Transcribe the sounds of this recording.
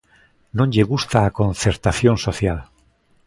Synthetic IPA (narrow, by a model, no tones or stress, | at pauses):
nõnʲʎeɣust̪aːkõn̟θeɾt̪aθjonsoθjal